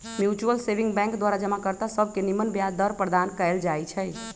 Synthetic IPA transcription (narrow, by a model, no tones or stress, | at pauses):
mjut͡ʃuəlsebiŋɡbɛ̃ŋkd̪waɾad͡ʒəmakəɾt̪asəbʱkenimənbjad̪əɾpɾəd̪ankəɪld͡ʒajt͡ʃʰɛ